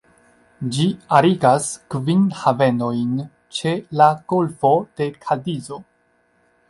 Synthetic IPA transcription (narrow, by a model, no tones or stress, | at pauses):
d͡ʒiaɾiɡaskvinhave̞no̞jn | t͡ʃe̞laɡ̥olfo̞d̥e̞kʰadizo̞